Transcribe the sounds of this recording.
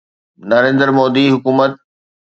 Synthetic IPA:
nɐɾẽːnd̪əɾmoːd̪iɦʊkuːmət̪̚

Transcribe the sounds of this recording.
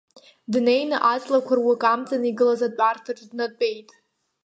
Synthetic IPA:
dne̞jnɨʔat͡sʼlakʷʰarwakʼamt͡sʼaniɡɨlazat͡pʷʼartʰaʈ͡ʂdnad̚t͡pʼejtʼ

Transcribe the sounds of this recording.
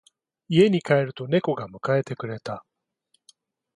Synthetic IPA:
ie̞ɲ̟ikae̞ɾɯ̟t̪o̞ne̞ko̞ɡamɯ̟kae̞t̪e̞kɯ̟ɾe̞t̪a

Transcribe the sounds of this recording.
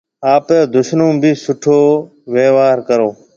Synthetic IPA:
aːpeːd̪ʊʃnõːbʱiːsʊʈʰoː | ʋeːʋaːɾkəɾoː

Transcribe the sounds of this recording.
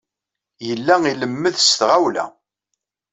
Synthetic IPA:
jəlːæiləmːəðst̪ʁawlæ̰

